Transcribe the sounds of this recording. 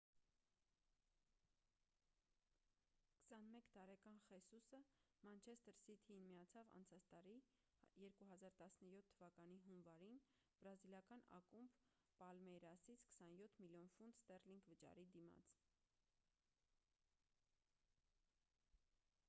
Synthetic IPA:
kə̥sɑnmɛkt̪ɑɾɛkɑnχɛsusə | mɑnt͡ʃʰɛst̪əɾsit̪ʰiinmijɑt͡sʰɑvɑ̰nt͡sʰɑt͡sʰt̪ɑɾi | jɛɾkuɦɑzɑɾt̪ɑsnəjɔt̪ʰːəvɑkɑniɦunvɑɾin | b̥ɾɑziljɑkɑnɑ̰kumb | pɑlmɛɾɑsit͡sʰkə̥sɑnjɔt̪ʰmiljɔnfund̪st̪ɛrliŋɡvət͡ʃɑ̰ɾid̪imɑ̰t͡sʰ

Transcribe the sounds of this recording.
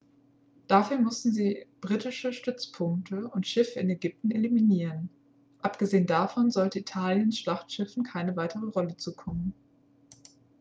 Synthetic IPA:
d̥afyːɐmʏsn̩ziːb̥ʁiːtɪʃəʃtʏt͡spʰʊŋk̚tʰəʊntʃɪfəɪnɛɡʏp̚tn̩eliminiːʁən | ʔapɡ̥əzeːəndafɔnzɔltəitʰaːljənsʃlaχtʃɪfn̩kʰaɪnəvaɪtʰəʁəʁɔlət͡suːkʰɔmən

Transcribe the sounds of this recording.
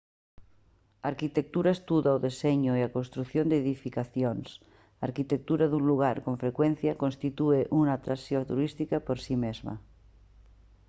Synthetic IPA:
aɾkit̪ek̚t̪uɾaest̪uðaoðeseɲoiakonst̪ɾuθjond̪eðifikaθjons | aɾkit̪ek̚t̪uɾaðunluɣ̞aɾkoɱfɾekwen̟θjakonst̪it̪ueʔunaːt̪ɾasjot̪uɾist̪ikapoɾsimezma̰

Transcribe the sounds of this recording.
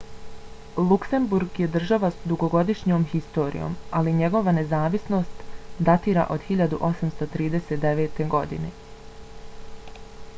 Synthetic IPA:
lˠukse̞mbuɾɡje̞d̪r̩ʒaʋasd̪uɡo̞ɡo̞d̪iʃɲo̞ːmxist̪o̞ːɾḭjo̞̰ːmaliɲe̞ɡo̞ʋane̞zaːʋisno̞st̪d̪at̪iːɾa̰ʔo̞d̪xiʎad̪uʔo̞samst̪ot̪ɾiːd̪e̞set̪̚d̪eʋe̞ːt̪e̞ɡo̞d̪ḭne̞̰

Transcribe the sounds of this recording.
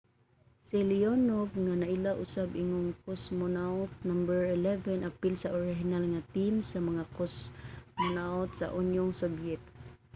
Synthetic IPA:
silionovŋanaʔilaʔʊsabɪŋʊŋkosmɔnawt̪̚nambəɹɪlɛvɛnʔapɪlsaʔoɹɪɦɪnalŋat̪imsamaŋakosmonawt̪sa̰ʔʊnjʊŋsɔbjɛt̪̚

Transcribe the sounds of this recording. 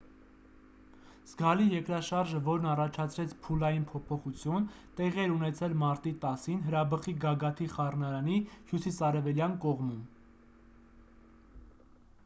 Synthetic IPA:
z̥ɡɑlijɛkɾɑʃɑɾʒəvɔɾnɑrɑt͡ʃʰɑt͡sʰɾɛt͡sʰpʰulɑjinpʰɔpʰɔχut͡sʰjunt̪ɛʁiɛɾunɛt͡sʰɛlmɑɾt̪it̪ɑsinɦəɾɑbəχiɡɑɡɑt̪ʰiχɑrnɑɾɑnihjusisɑɾɛvɛljɑnkɔʁmum

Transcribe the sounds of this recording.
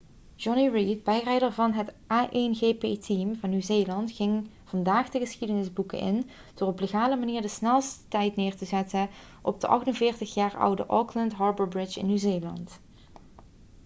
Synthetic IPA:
d͡ʒɔniɹid̚bɛjrɛjdəɹvɑnɦətʔaːʔenɣeːpeːtʰimvɑnːyzeːlɑntχɪŋ | v̥ɑndaːχdəɣəsxidənɪzbukə̰nʔɪ̰n | d̥ɔrɔpleɣaːləmaniːɹdəsnɛlˠstə̥tɛjtnɪːɹtəzɛtə | ʔɔ̰b̚dəʔɑ̰χtənvɪːɹtəχjaːɹʌ̰wdə̰ʔɔkləntɦɑːɹbəɹbɹɪt͡ʃɪ̰nːyzeːlɑ̰nt

